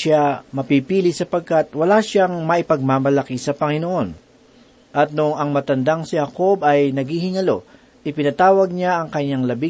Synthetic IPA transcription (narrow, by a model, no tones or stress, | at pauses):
amɐpipiːlɪsɐpɐɡ̚kat̪̚wɐlaʃaŋmɐʔɪpɐɡ̚maːmɐlɐkisɐpɐŋɪnoʔo̞n | ʔɐt̪̚nʊŋɐŋmɐt̪ɐnd̪aŋsɪhɐko̞bɐjnɐɡhihɪŋɐlo̞ | ʔɪpɪnɐt̪aːwɐɡ̚ɲaʔɐŋkɐɲːaŋlɐbi